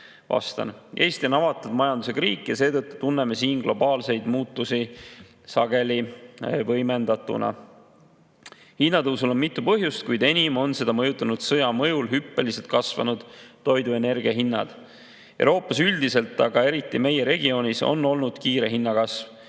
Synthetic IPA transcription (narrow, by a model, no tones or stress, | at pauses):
vɑ̰st̪ɑ̰ne̞ːjst̪ionɑvɑt̪ːˑud̪̥mɑjɑnd̪use̞kɾiːkːˑjɑse̞ːd̪ɤt̪ːˑu̥t̪unːe̞me̞siːnɡ̥lo̞bɑːlse̞jd̪̥muːt̪ːusi | sɑɡ̥e̞livɤjme̞nd̪ɑt̪ːˑṵnɑ̰ | hinːɑd̪ɤwsulo̞mmit̪ːˑupɤɦjust̪̚kujd̪e̞nʲimo̞nse̞d̪̥ɑmɤjut̪ːˑɑnud̪̥sɤjɑmɤjulɦypːe̞lise̞lt̪̚kɑsvɑ̰nud̪̥ːo̞jd̪ue̞ne̞rɡ̥iɑɦinːɑ̰d̪̥ | ewɾo̞ːpːˑɑsyld̪ise̞lt̪ːˑɑɡ̥ɑe̞ɾit̪ˑːime̞je̞ɾe̞ɡ̥io̞nʲiso̞̰nːo̞lnud̪̥kiːɾe̞ɦinːɑkɑsv